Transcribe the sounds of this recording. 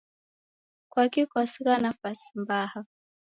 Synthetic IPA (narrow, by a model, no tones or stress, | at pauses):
kwakikɔsiɣanafasi̥mbaha